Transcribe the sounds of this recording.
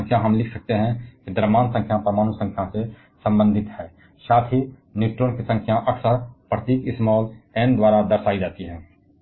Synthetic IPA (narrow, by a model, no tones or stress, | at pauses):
ŋkʰjãɦəmlɪkʰsək̚t̪eɦɛ̃kid̪əɾmaːnsə̃ŋkʰjãpɾəmaːnusə̃ŋkʰjãse | sə̃mbə̃nd̪ʱɪt̪ɦɛː | ʃaːt̪ʰi | njuːʈɾoːnkisə̃ŋkʰjãʔəkʰsəɾpɾət̪iːkɪsmɔːlɛːnd̪waːɾad̪əɾsaːid͡ʒaːt̪iɦɛ̃ː